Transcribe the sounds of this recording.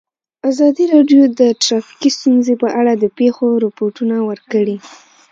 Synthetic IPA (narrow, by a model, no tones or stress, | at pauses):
azɑd̪iɾɑɖjod̪əʈɾɑfi̥kist̪unzepəʔaɽad̪əpexoɾʊpoʈunawəɾkəɽi